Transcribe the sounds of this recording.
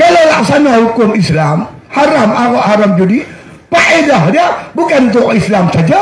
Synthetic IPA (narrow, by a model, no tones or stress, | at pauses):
kalawlaksanahukʊmislam | haɾamawaʔhaɾamd͡ʒudi | paʔedaɦdiabukant̪ʊʔislamsad͡ʒa